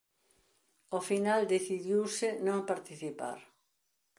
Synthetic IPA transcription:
ofinald̪eθiðjiwsɪnõŋpaɾt̪iθipa̰ɾ

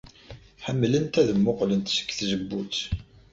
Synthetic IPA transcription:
ħəmːlənt̪æðəmːʊqlənt̪sə̥kːθzəbːut͡s

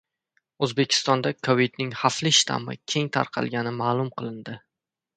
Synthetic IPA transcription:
ɵzbe̞kʲʰɪ̥st̪ɒnd̪akʰovid̪nɪŋhaflɪʃt̪ʰa̰mɪ̰kʲʰe̞ŋt̪ʰa̰ɾqʰɑ̰lˠɡʲanɪmaːlˠʊmqʰɨlˠɪnd̪ɪ

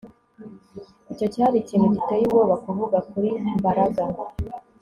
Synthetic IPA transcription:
ico̞ciaɾiciːn̤uɟitejiβoːβakuvuɡakuɾimbaɾaɡa

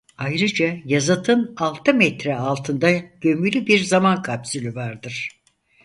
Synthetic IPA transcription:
ajɾɯd͡ʒajazat̪ʰɯnalˠt̪ʰɯmɛt̪ɾɛalˠt̪ʰɯnd̪aɟ̥ø̞mylʲybiɾzamankʰapsylʲyvaɾd̪ɯɾ̥

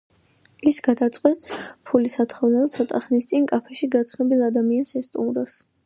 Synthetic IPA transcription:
isɡ̥ad̪at̪sʼqʼwɛt̪spʰulisat̪ʰχɔvnɛlˠt̪sʰɔt̪ʼaχnist̪sʼinkʼapʰɛʃiɡat̪sʰnɔbilˠad̪amiansɛst̪ʼṵmɾɔs

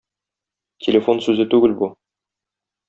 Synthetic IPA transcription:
tʲʰelʲefo̞nsʉzɘt̪ʉɡɘlbu

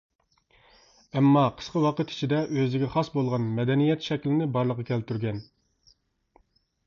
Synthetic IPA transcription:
ɛmːɑqʰə̥sqəwɑqət̪ʰi̥t͡ʃʰid̪ɛʔøzɪɡʲɛχɑsbolˠʁɑnmɛd̪ɛnijɛt̪ʃɛkʲlɪnɪbɑɾlˠəqɑkʲʰælt̪yɾɡʲɛn

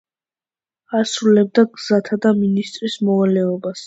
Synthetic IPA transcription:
asɾulɛb̚d̪aɡz̥at̪ʰad̪aminist̪ʼɾismɔvalɛɔbas

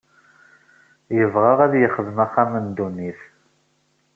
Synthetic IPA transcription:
jəvʁɑʁæðjəχəðəmæχːæmənd̪unːiθ

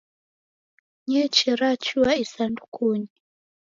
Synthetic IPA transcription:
ɲɛt͡ʃɛɾat͡ʃuaisandukʰuɲi

